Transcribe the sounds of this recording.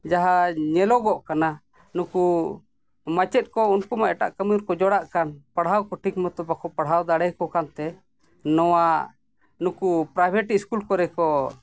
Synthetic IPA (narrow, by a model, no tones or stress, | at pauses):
d͡ʒaɦaɲɛlɔɡɔʔkana | nuku | mat͡ʃɛt̪̚kɔunkumaʔɛʈa̰ʔkəmijuɾkɔd͡ʒɔɽaʔkanpaɽɦawkɔʈʰikmɔt̪ɔbakɔpaɽɦawd̪aɽɛjkɔkant̪ɛ | nɔwa | nũkupɾajbʱɛʈiiskulkɔɾɛkɔ